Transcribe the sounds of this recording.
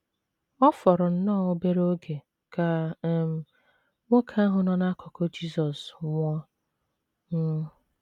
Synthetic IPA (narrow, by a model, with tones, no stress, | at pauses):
ɔ˦fɔ˨ɾʊ˨n̩˦nɔː˦˨o˦be˦ɾo˦ɡe˨ | ka˨m̩˨ | ŋʷo˦kʰa˦ɦʊ˨nɔ˦na˦kʰɔ˨kɔ˦d͡ʒi˦sɔ˨sŋʷɔ˦ | m̩˦